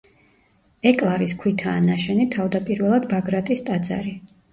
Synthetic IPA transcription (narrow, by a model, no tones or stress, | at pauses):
ɛkʼlˠaɾiskʰwit̪ʰaːnaʃɛnit̪ʰavd̪apʼiɾvɛlˠad̪baɡɾat̪ʼist̪ʼad̪za̰ɾi